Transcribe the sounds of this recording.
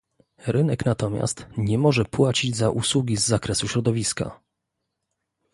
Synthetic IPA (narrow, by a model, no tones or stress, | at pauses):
ɾɘnɛknat̪ɔmʲja̰st̪ɲɛmɔʐɛpwat͡ɕid͡ʑzaʔuswuɡʲizːakɾɛsuɕɾɔd̪ɔvʲiska̰